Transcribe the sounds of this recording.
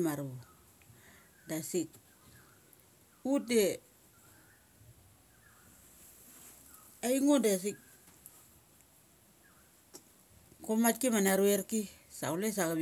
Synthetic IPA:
maɾu | dasik̚ | ue | aiŋodas̬ik̚ | komat̚kimanaɾueɾkisa̰ules̬akab

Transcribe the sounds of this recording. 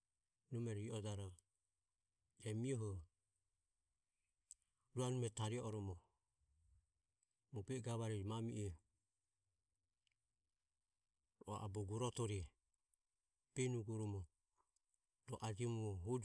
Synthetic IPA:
nɔmɛɾiiɔdaɾɔ | ɛmiɔɦɔ | ɾuanumɛtaɾiɔɔɾɔmɔ | mɔbɛɡaβaɾiɾmamiʔɛ | ɾɔa̰ʔabɔɡuɾɔtɔɾiɛ | b̥ɛnuɡɔɾɔmɔ | ɾɔʔad͡ʒiɔmuɔɦɔd͡ʒ

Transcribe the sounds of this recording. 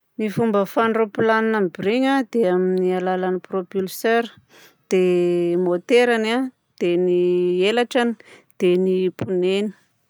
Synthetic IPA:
nifumbəfaɳɖ͡ʐopilaninambiɾiɲad̪̥eaminialalanipropylsøɾ | d̪̥emot̪eɾana | d̪̥enielaʈ͡ʂanid̪̥enipuneni̥

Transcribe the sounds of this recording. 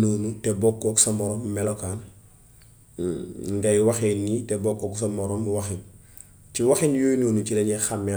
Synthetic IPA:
noːnutebokːoku̥samoɾommelokaːn | ŋɡajwaxenːitebokːokus̬amoɾomiwaxin | t͡ʃiwaxinjojinoːnut͡ʃileɲexame

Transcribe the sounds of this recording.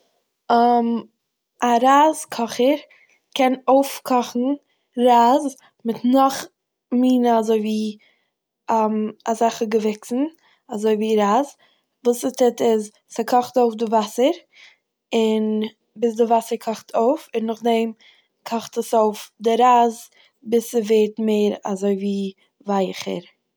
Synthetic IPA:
m | aɾaːzkʰɔχəɾ | kʰɛnoʊfkʰɔχn̩ | ɾaːz | mɪtnɔχ | miːnəazoɪviː | amazaχəɡəvɪksn̩ | azoɪviːɾaːz | vuːsɪstɪtɪz | sɪkʰɔχtoʊfdɪvasəɾ | ɪn | bɪs̬dɪvasəɾkʰɔχtʰoʊfɪnɔχdɛɪm | kʰɔχtəsoʊfdɪɾaːz | bɪsəveːtmeɪɾa̰zoɪviː | vaɪχə̰ɾ

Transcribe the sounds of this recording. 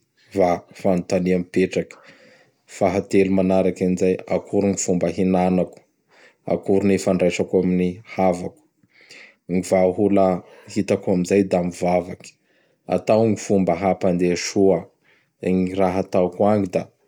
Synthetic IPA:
vafant̪aniamipeʈ͡ʂakə̥ | faɦat̪elumanaɾakanizaja̰kʰuɾuŋifumbəɦinanaku̥ | a̰kuɾunefaɳɖ͡ʐajsakuaminihavaku̥ | ŋivaɦuləhit̪akamizajd̪amivavaki̥ | a̰t̪awŋifumbəɦapand̪eʃuə | eŋiraɦat̪awkuaŋid̪a

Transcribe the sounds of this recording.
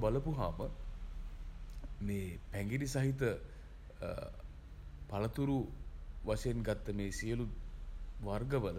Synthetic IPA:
baləpuɦaːmə | meːpæŋɡiɾisaɦit̪ə | palət̪uɾuʋaseenɡat̪ːəmeːsiəluʋarɡəʋələ

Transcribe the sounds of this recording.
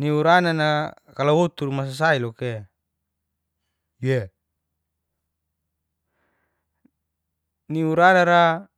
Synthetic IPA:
niuɾanana | kalawot̪urmas̬as̬ailɔke | je | niuɾanaɾa

